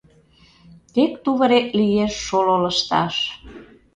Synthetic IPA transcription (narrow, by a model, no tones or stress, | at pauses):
t̪ekt̪uβəɾek̪lijeʃːololə̆ʃt̪ɑ̰ʃ